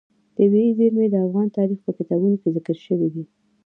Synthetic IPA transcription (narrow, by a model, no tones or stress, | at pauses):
d̪̥əweizeɾmed̪əafɣɑnt̪ɑɾixpəkɪt̪ɑbunokezɪkəɾʃəwid̪i